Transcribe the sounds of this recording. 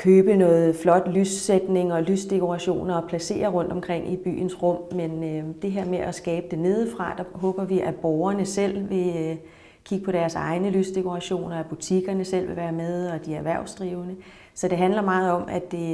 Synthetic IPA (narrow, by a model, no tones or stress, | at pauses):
kʰøːb̥ənɔ̽ːð̩ˠflɒ̽d̥lysed̥ne̝ŋɒ̽lysd̥e̝kʰo̝ʁɑ̈ɕo̝̰ːnɐɒpʰlæse̝̰ːɐʁɔ̽n̰d̥ɒ̽mkʰʁeŋ̰ib̥y̰ːnsʁɔ̽m̰mend̥e̝ɦeɐ̰meʔæsɡ̥ɛːb̥əd̥e̝ne̝ð̞ˠfʁɑ̈d̥ɑɦɔ̽ːb̥ɐʋiʔæb̥ɒʊɐnəsel̰ʋe̝ | kʰiɡ̥əpʰɒ̽ɾ̥æɐsɑ̈ɪnəlysd̥e̝kʰo̝ʁɑ̈ɕo̝̰ːnɒæb̥ut͡sʰiɡ̥ɐnəsel̰ʋe̝ʋæːɐmeðˠɒ̽d̥iæʋæɐʊsd̥ʁiːʊnə | sɒ̽d̥e̝ɦænlɐmɑ̈ːð̞̩ˠɒ̽mʔæd̥e̝